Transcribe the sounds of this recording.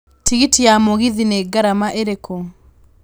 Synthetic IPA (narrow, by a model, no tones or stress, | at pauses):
tiɣitijamoɣiðineɡaɾamaʔeɾeko